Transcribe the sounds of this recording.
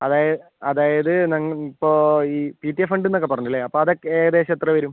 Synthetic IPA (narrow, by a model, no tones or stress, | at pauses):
ɐðaːjɐ | ɐðaːjɐðɨnɐŋːɐipːoːiːpiʈːiefɐɳɖenːo̞kːepːɐrɐɲːilːeɐpːoːɐðokːeeːɣɐðeːɕɐt̪ːrɐʋɐɾum